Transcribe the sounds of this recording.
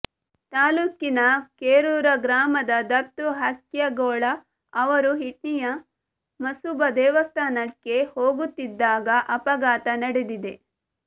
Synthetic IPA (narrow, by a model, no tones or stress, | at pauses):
t̪aːluːkinɐkeːɾuːɾɐɡɾaːmɐd̪ɐd̪ɐɾt̪uɦɐkjɐɡoːɭɐ | ɐʋɐɾuɦiʈ̚nijɐ | mɐsubɐd̪ɛːʋɐst̪ʰaːnɐkːe̞hoːɡut̪ːid̪ːaːɡɐʔɐpɐɡaːt̪ɐnɐɽed̪id̪e̞